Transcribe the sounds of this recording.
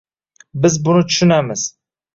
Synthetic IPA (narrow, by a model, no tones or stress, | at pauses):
bɪzbʊnɪt͡ʃ̪ʰʊ̥ʃʊnamɪz̥